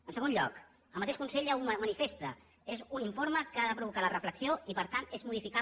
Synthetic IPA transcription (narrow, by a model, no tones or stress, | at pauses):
ənsəɣonʎɔ̰k | əlmət̪eʃkunseʎawummənifest̪ə | ezuniɱfoɾməkəaðəpɾuβukalərəfləksioipəɾt̪anezmuð̞ifika